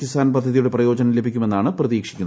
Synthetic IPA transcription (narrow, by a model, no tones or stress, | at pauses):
kːist̪ʰaːnpɐd̪ʱːɐðijuɽe̞prɐjo̞ːd͡ʑɐnɐmle̞bʱikʲːume̞nːaːɳɨprɐðiːkʂi̥kʲːunː